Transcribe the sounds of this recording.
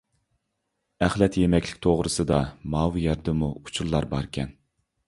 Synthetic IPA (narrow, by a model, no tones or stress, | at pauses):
æχlɛt̪jemɛkʲlɪkʲt̪ʰoʁɾɨsɨd̪ɑmɑwjɛɾd̪ɪmuut͡ʃʰuɾlˠɑɾbɑɾkʲʰɛn